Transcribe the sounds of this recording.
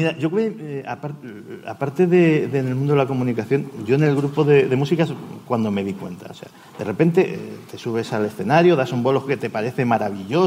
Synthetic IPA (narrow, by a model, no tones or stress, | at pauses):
miɾaʝo̞kweapaɾ | a̰paɾt̪e̞ðeðene̞lmũnd̪oelako̞mũnikaθjo̞nɟ͡ʝo̞ene̞lɣɾupo̞ðe̞ðe̞musikaskwand̪o̞me̞ðikwe̞̰nt̪a̰ose̞̰a | d̪e̞re̞pe̞nt̪e̞t̪e̞suβ̞e̞sale̞sθe̞naɾjoðasumbo̞lo̞ke̞t̪e̞paɾe̞θe̞maɾaβiʝo̞